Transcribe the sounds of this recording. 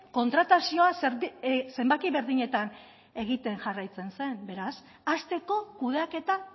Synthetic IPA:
ko̞nt̪ɾat̪asio̞aseɾse̞mbak̪iβe̞ɾðiɲe̞t̪an | e̞ɣ̞it̪e̞ŋʝarajt͡se̞nse̞nbe̞ɾas | ast̪e̞ko̞kuð̞eake̞t̪a

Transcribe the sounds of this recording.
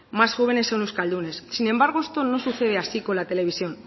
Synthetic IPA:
masxo̞β̞e̞ne̞sonewskald̪une̞sːine̞mbaɾɣ̞oest̪o̞no̞suθe̞ð̞easiko̞lat̪e̞le̞β̞isio̞n

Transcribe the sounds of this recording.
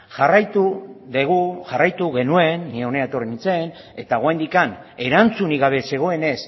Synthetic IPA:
ʝarajt̪uðeɣuʝarajt̪uɣe̞nue̞nːieo̞neaet̪o̞riit͡se̞n | e̞t̪aɣoajnd̪ikan | e̞ɾant͡suniɣaβ̞e̞se̞ɣ̞o̞e̞ne̞s

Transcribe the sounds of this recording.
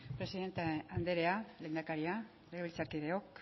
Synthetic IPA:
pɾe̞siðe̞nt̪eand̪e̞ɾe̞aleːnd̪akaɾia | leɣeilt͡saɾkiðe̞o̞k

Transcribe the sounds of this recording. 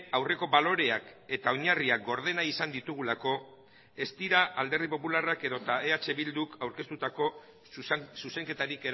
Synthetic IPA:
awre̞ko̞βalo̞ɾe̞ake̞t̪aoɲariak̚ɡo̞ɾð̞e̞naisand̪it̪uɣ̞ulako̞ | e̞st̪iɾaːld̪e̞ɾð̞ipo̞pularake̞ðo̞t̪aeat͡ʃe̞βild̪ukawɾkest̪ut̪ako̞ | suse̞ŋke̞t̪aɾike̞ɾ

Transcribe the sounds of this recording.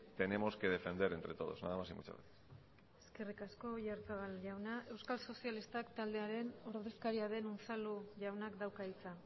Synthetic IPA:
t̪e̞ne̞mo̞ske̞ð̞e̞fe̞nd̪e̞ɾe̞nt̪ɾe̞t̪o̞ðo̞zna̰ðamasimṵt͡ʃa̰βḛt̪ | e̞ske̞rikasko̞ʝaɾt͡saɣalʝawnae̞wskalso̞sialist̪akt̪ald̪e̞aɾe̞no̞ɾðeskaɾiað̞e̞nonsaluʝawnakd̪awkait͡sa

